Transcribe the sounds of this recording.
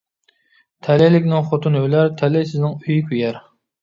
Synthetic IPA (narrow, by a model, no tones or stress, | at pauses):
t̪ʰɛlɛlɪkʲnɪŋχot̪ʰunølæɾt̪ʰɛlɛsɪznɪŋyjkʲʰyjɛɾ